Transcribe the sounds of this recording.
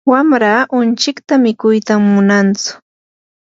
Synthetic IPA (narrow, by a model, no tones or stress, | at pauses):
wamɾaːʔʊnt͡ʃɪkt̪amɪkʊjt̪amːʊnant͡sʊ̥